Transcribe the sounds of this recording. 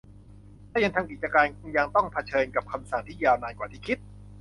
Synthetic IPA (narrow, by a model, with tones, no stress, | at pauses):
lɛː˦˥˩ja˧ŋt̪ʰaː˧ŋk̬i˨˩t̪̚t͡ɕa˧kaː˧nkja˧ŋt̪ɔ˥˩ŋpʰa˧t͡ɕʰɤː˧nka˨˩p̚kʰa˧msa˨˩ŋt̪ʰiː˥˩jaː˧wnaː˧nkwaː˨˩t̪ʰiː˥˩kʰi˦˥t̪̚